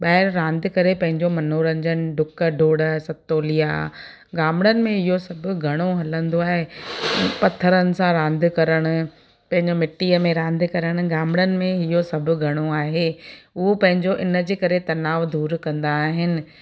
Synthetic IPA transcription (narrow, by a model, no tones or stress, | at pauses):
ɓaːɦɪɾɾãːnd̪ʱɪ̆kɐɾepɐ̃ɦɪ̃ɲd͡ʑomɐnoɾɐ̃ɲd͡ʑənɖʊkə̆ɖʱoːɽəsɐt̪oːlija̰ | ɡaːmɪɽənɪ̆mẽɦɪjosɐbʱʊ̆ɡʱɐɽ̃oɦɐlə̃nd̪oaːɦe | pɐt̪ʰːəɾənɪ̆sãɾãːnd̪ʱɪ̆kɐɾəɽ̃ʊ̆ | pɐ̃ɦɪ̃ɲd͡ʑomɪʈːiːəmẽɾãːn̆d̪ɪ̆kɐɾəɽ̃ʊ̆ɡaːmɪɽənɪ̆mẽɦijosɐbʱʊ̆ɡʱɐɽ̃oaːɦeːʊopɐ̃ɦɪ̃ɲd͡ʑoʔɪnə̆d͡ʑeːkɐɾet̪ɐnaːʋd̪uːɾkɐ̃nd̪aːɦɪnɪ̆